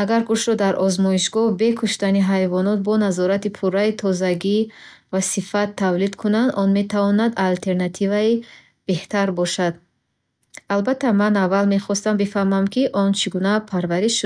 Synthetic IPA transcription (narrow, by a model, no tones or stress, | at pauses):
aɡaɾɡuʃɾɔd̪aɾʔɔzmɔiʃɡɔhbe̞kʰuʃt̪aniɦajvɔnɔt̪̚bɔnazɔɾat̪ipʰuɾːait̪ʰɔzaɡi | vasifat̪ʰːavlid̪kʰunand̪ɔnme̞t̪ʰavɔnad̪alt̪ʰe̞ɾnat̪ʰivai | b̥e̞ht̪ʰaɾbɔʃad̪ | albat̪ʰːamanavːalme̞χɔst̪ambifahmamkiʔɔnt͡ʃʰiɡunapʰaɾvaɾiʃud̪